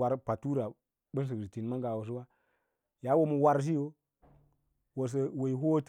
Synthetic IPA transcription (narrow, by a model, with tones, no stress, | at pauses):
a˨ɾpa˨tu˦ɾa˨ | ɓə˦n˦s̬ə˨ksi˨ti˨n˨ma˦ŋɡa˨wo˨s̬ə˦wa˦ | ja˦wo˦mu˨wa˨ɾʃ̬i˦jo˦ | wo˨s̬ə˨wo˨i˨ɦo˦t